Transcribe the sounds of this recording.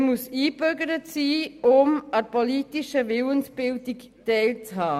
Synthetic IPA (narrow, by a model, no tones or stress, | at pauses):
musiːbøɡəɾətsiːʊmaɾpɔlitiʃəʋɪlənsb̥ɪldik | tɛɪlt͡shaː